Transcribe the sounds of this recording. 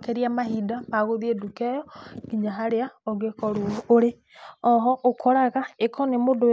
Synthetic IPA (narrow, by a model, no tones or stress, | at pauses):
keɾiamahidapaɣoðiedukɛjɔɡiɲaɦaɾeaɔɣekɔɾooɾe | ɔɦɔʔokʰɔɾaɣaekʰɔnemodo